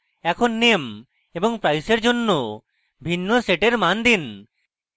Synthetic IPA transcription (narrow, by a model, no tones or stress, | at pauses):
ɛkʰonːem | eboŋpɾajseɾd͡ʑonːo | bʱinːoseʈeɾmand̪in